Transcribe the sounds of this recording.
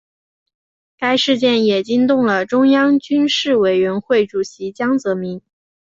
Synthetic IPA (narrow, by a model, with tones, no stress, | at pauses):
ka˥ɪʂɻ̩˥˧t͡ɕjɛ˥˩njɛ˨˩t͡ɕi˥ŋt̪ʊ˥˩ŋlə˩ʈ͡ʂʊ˥ŋjɑ˥ŋt͡ɕy˥nʂɻ̩˥˩we˨˩ɪɥɛ˧˥nxwe˥˩ɪʈ͡ʂu˨˩ɕi˧˥t͡ɕjɑ˥ŋt͡sɤ˧˥mi˧˥n